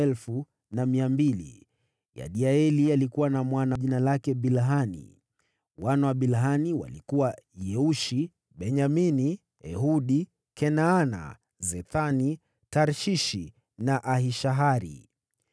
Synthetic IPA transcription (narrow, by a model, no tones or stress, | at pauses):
ɛlfu | namiambili | ja̰ɗiaɛlialikuwanamwanaʄinalakɛɓilɦanḭ | wanawaɓilɦaniwa̰likuwajɛuʃi | ɓɛɲamini | ɛ̰ɦuɗi | kɛnaana̰ | zɛθani | taɾʃiʃi | naʔaɦiʃaɦaɾḭ